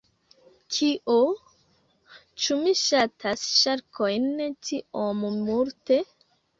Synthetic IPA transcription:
kʰiʔo | t͡ʃumiʃatʰasʃaɾkʰojntʰiommuɾte̞

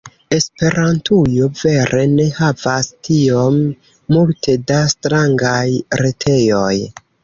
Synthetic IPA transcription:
e̞spe̞ɾantʰujo̞ve̞ɾʔe̞ne̞havastio̞mː | ultʰe̞dastɾaŋɡajɾetʰe̞jo̞j

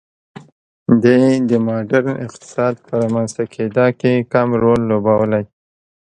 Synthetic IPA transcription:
d̪aed̪əmɑɖaɾɪ̰qt̪ɪ̥sɑd̪pəɾɑmanzt̪akʰed̪ɑkekamɾolːobawəlaj

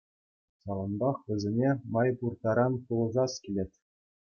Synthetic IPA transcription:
sɑlˠɤ̆nbɑχʋʲɘ̆zʲenʲemɑjpurt̪ɑɾɑnpulˠɤ̆zɑskʲilʲetʲ

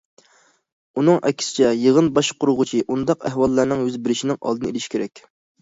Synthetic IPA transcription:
unɨŋʔɛ̰kʲʰsɪ̥t͡ʃʰɛjəʁənbɑʃqʰʊɾʊʁʊt͡ʃʰiʔund̪ɑqæhwɑlˠːɑɾnɨŋhøzbɪɾɪʃinɪŋʔɑ̰lˠd̪ɨnɨḛlɪʃkʲeɾɛkʲ

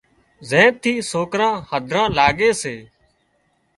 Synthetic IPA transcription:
zẽːtt̪ʰːiːsoːkɾãːhəd̪ʱɾãːlaːɡeːseː

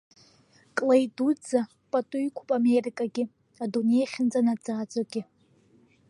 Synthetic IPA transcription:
kʼlajdud͡za | pʼatʼuikʷʰʊpʼamerikʼaɡʲɪ | adunejχʲɪnd͡zʼanad͡zaːd͡zʼoɡʲɪ

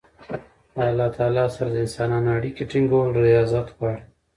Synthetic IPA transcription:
əalːɑt̪ʰɑːlɑsaɾad̪əɪnsɑnɑnoaɽikeʈiŋɡoɾijɑzat̪ɣwɑɽe

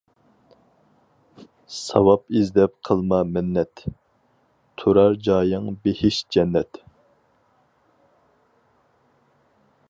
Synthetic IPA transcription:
sɑ̰wɑpizd̪ɛpqʰəlˠmɑmɪnːɛt̪ | t̪ʰoɾɑɾd͡ʒɑːjəŋbehɪʃd͡ʒɛnːɛt̪

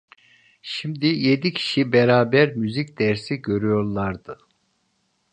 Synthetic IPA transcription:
ʃimd̪ije̞d̪icʰi̥ʃibeɾaːbæɾmyzic̚d̪ɛɾsiɟø̞ɾyjo̞ɾlˠaɾd̪ɯ

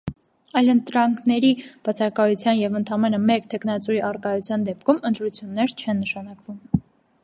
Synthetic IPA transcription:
ɑjlənt̪ɾɑŋkʰnɛɾib̥ɑt͡sʰɑkɑjut͡sʰjɑnjɛvənt̪ʰɑmɛnəmɛkt̪ʰɛknɑt͡suiʔɑrkɑjut͡sʰjɑnd̪ɛp̚kʰumənt̪ɾut͡sʰjunːɛɾt͡ʃʰɛnːəʃɑnɑkvum

